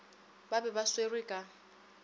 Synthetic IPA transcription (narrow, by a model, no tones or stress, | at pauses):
babɛbaswerwɪkʼa